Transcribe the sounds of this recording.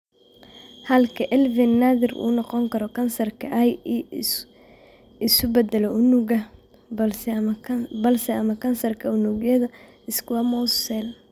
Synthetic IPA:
hɐlkʰɐʔɛlvɪnːaðɪrṵːnɑqɔŋkʰɐɾɔkʰɐnsɐrkʰɐʔj | ɪsʊbɐd̪ɐlɔʔʊnʊɡɐ | bɐlsɛɐmɐkʰɐnsɐrkʰɐʊnʊɡjɐðɐ | ɪskʰʊwɐmɔssɛl

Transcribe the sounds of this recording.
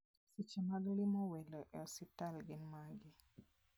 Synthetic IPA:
sit͡ʃɛmaɡlimɔwɛlɔʔɛɔsitalɡɪnmaɡi

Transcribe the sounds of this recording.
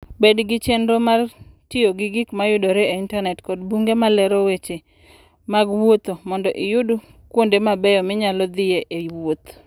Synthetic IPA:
bedɡɪt͡ʃendomartɪjoɡɪɡɪkmajʊdoɾeeintanɛtkɔdbuŋɡemalɛɾowet͡ʃe | maɡwot̪omɔndɔʔɪjʊdu | kwondemabɛjɔmɪɲalɔd̪ɪjeʔewot̪

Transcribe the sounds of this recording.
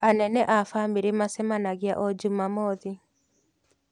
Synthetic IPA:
anɛnɛʔafambeɾemasɛmanaɣɪaʔɔd͡ʒumamɔði

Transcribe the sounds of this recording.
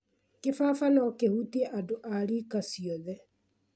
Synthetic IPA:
kefafanɔkehutɛʔadoʔaɾikasiɔðɛ

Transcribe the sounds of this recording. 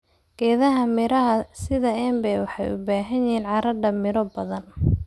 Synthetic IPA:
ɡ̥ɛːðɐɦɐmɪɾɐɦɐsɪðɐɛːmbɛjwɑħɑ̰jʊ̰baːɦɐniːnʕɑɾɐɖɐmɪɾɔbɐðɐn

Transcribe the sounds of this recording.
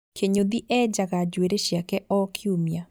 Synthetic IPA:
kʰeɲoðiʔɛd͡ʒaɣad͡ʒweɾeɕjakɛʔɔkʰiumja

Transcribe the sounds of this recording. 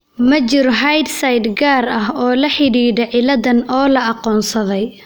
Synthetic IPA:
mɐt͡ʃɪɾɔɦɐjd̪sɐjd̪ɡaːɾɐɦɔːlɐħɪɽiːɽɐʕɪlɐðɐnɔːlɐɑqɔːnsɐðɛj

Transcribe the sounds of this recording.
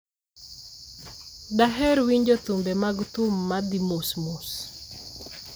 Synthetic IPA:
daɦɛɾwiɲd͡ʒot̪umbɛmaɡt̪ʊmːad̪imosmus

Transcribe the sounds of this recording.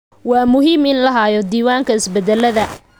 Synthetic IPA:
wɑːmʊɦiːmɪnlɐɦajɔd̪iːwaːŋkʰɐɪsbɛd̪ɛlɐðɐ

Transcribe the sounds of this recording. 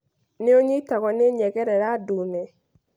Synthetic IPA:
neoɲitaɣwɔneɲɛɣɛɾɛɾadunɛ

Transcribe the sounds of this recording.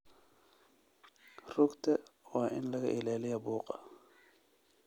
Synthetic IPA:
rʊɡt̪ʰɐwɑːʔɪnlɐɣɐ̰ʔɪlaːlɪjɐbuːqʼɑ̰

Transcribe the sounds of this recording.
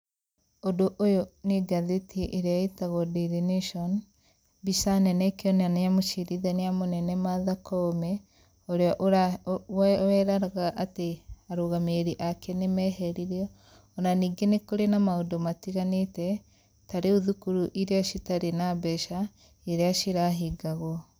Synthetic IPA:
odoʔojoneɡaðetiʔeɾeaetaɣɔdiɾineʃɔn | bisanɛnɛkeɔneanejamoʃiɾiðɛneamonɛnɛmaðakɔmɛ | oɾeɔʔɾa | ɛɾaɾaɣaʔateaɾoɣameɾiʔakenemɛhɛɾiɾiɔ | onaniːɡenekoɾenamaodɔmatiɣanetɛ | taɾeuðukuɾuʔiɾeaʃitaɾenabɛʃa | eɾeaʃiɾaɦiɡaɣɔ

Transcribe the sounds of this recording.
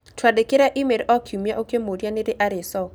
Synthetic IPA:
tʰwadekɪɾaʔimeɾʔɔkʰumjaʔokemoɾijaneɾɪʔaɾɪsɔ

